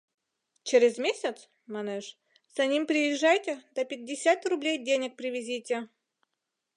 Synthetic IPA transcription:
t͡ɕeɾʲɪzmʲesʲɪt̪s | manɛʂ | z̥ɐnʲimpɾʲɪjɪʐːajtʲɪd̪ɐpʲɪd̚ʲːɪsʲat̪rʊblʲejdʲenʲɪk̚pɾʲɪvʲɪzʲitʲɪ

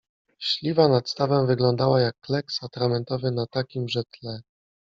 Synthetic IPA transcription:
ɕlʲivanat̪st̪avɛmvɘɡlɔnd̪awajakːlɛksat̪ɾamɛnt̪ɔvɘnat̪akʲimʐɛt̪lɛ

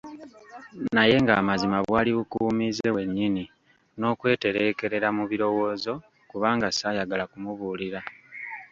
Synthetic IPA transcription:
naje̞ŋɡaːmazimaβwaːliβukuːmize̞we̞ɲːini | no̞ːkwe̞ːte̞ɾe̞ke̞ɾe̞ɾamuβiɾo̞wo̞ːzo̞ | kuβaːŋɡasajaɡalakumuβuːliɾa

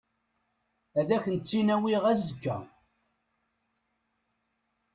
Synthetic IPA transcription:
æðæçənt͡sːinæwiʁæzəkːæ̰

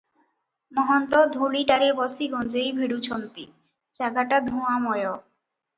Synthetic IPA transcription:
mɔɦɔnt̪ɔd̪ʱuliʈaɾebɔsiɡɔnd͡ʑejbʱiɽut͡ɕʰont̪ḭ | t͡ɕaɡaʈad̪ʱũamɔjo

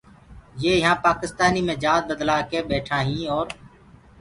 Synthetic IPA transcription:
jeːjəɦãːpaːkɪst̪aːniːmẽːd͡ʒaːd̪̚bəd̪laːkeːɓeːʈʰãːɦĩːɔːɾ

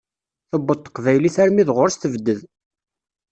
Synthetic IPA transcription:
θəbːədt̪ːə̥qvæjliθæɾmiðʁʊɾst̪əvd̪ːəð

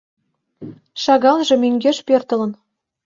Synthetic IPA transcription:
ʃɑɣɑnʒĕmyŋɡʲeʃpørt̪ə̆lə̆n

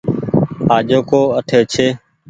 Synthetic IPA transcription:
aːʄoːkoːəʈʰeːt͡ʃʰeː

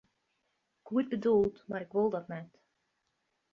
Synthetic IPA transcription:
kuəd̚bədulˠtmarɪkʋolˠdɔtnɛt

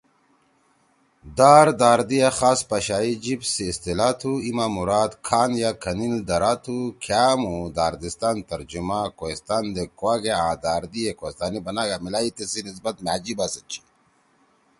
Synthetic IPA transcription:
d̪aːɾd̪aːɾd̪ijaxaːspɐɕaːid͡ʑibsiːst̪ilaːt̪ʰuimamuɾaːd̪kʰaːnjakʰɐnind̪ɐɾaːt̪ʰukʰjaːmud̪aːɾd̪ist̪aːnt̪ɐɾd͡ʑumakoist̪aːnd̪ekwaɡeãːd̪aːɾd̪ijekost̪aːnibɐnaɡamilaːit̪esinis̬bɐt̪̚mead͡ʑibasɐt͡ɕʰi̥

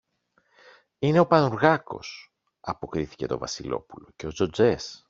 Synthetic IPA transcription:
ine̞o̞pɐnuɾɣɐko̞s | ɐpo̞kɾiθi̥ce̞t̪o̞vɐ̰silo̞pulo̞ce̞o̞zo̞d͡zes

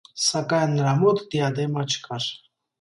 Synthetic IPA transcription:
sakanɾamot̪d̪ijad̪emat͡ʃʰkaɾ

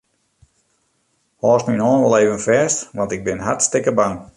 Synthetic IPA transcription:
hɔːstminɔːnʋɔlˠeːvənfɛːstʋɑntɪɡ̚bɪnɦartstɪkəbaŋ

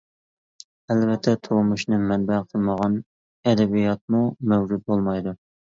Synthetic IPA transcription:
ɛlvɛt̪ʰːɛt̪ʰomuʃnɨmɛnbæqʰəlˠməʁɑn | ɛd̪ɛbijɑt̪̚mumɛwd͡ʒut̪̚bolˠmɑjd̪u

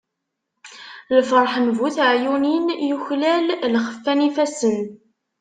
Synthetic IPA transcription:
ləfɾˤħənvuθʕjuninjuçlællχə̥fːænifæsən

